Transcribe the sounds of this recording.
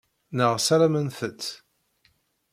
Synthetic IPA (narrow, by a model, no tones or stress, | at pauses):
nəʁsæɾæmənθət͡s̪ː